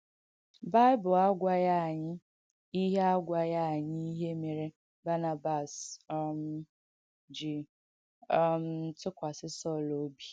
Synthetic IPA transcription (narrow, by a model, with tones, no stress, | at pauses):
ba˦ɪ˦bʊ˨a˦ɡʷa˦ja˦a˨ɲɪ˦ | i˦ɦe˦a˦ɡʷa˨ja˦a˨ɲɪ˦i˦ɦe˦me˨ɾe˦ | ba˦na˨ba˨sm̩˨ | d͡ʒi˨ | m̩˨˦tʊ˦kʷa˨sɪ˦sɔ˦˨lo˦bi˨